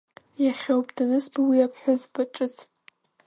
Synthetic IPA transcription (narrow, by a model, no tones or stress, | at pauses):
jaχʲowpʼdanɨsbwiapʰħʷᶣʊzbʰaʈ͡ʂʼɨt͡sʰ